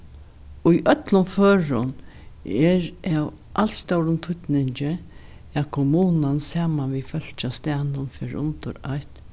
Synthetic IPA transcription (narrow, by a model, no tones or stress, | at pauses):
ʊjʔœt̪lʊnføːɹʊ̰n | ɛɹaw | ʔal̥st̪awɾʊnt̪ʰʊt̪nɪɲt͡ʃə | akʰʊmuːnansaːmanʋifœl̥t͡ʃast̪aːnʊnfɪɾʊ̰nt̪ʊ̰ɾa̰jt̪